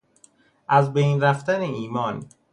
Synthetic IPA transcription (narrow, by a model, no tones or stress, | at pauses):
ʔæzbejnɾæft̪æneiːmɒːn